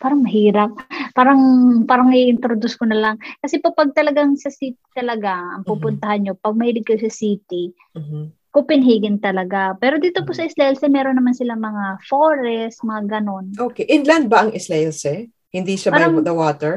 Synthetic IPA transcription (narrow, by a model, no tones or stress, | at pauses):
paːɾɐŋmɐɦiːɾɐp̚ːaːɾɐŋpaːɾɐŋɪʔɪnt̪ɾod̪ʊskonɐlaŋkɐsɛpopɐɡ̚t̪ɐlɐɡaŋsɐsiːt̪i̥t̪ɐlɐɡaɐ̰ŋpuːpʊnt̪ɐhanɲo̞pɐɡ̚mɐiːlɪɡ̚kɐjosɐsiːt̪i | kʊpɪnɦiːɡɪnt̪ɐlɐɡapɛːɾo̞d̪iːt̪o̞posɐʔɪslɐɛlsɛmɛːɾonːɐmansɪlamɐŋafoɾɛsmɐŋaɡɐno̞nʔoːkɛʔɪnlɐnd̪̚bɐʔɐŋʔɪslɛʔɛlsɛ | hɪnd̪iːʃabad̪ɐwaːt̪ɛɹ